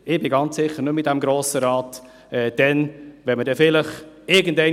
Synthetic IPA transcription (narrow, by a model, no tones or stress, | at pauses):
ɪb̥ɪɡɑnt͡ssɪχːəɾnʉmːɪtd̥æmɡɾoːsəɾɑːt | ɛːd̥ɛnʋɛnmədɛfɪləχ | ɪɡən̩dɛɪ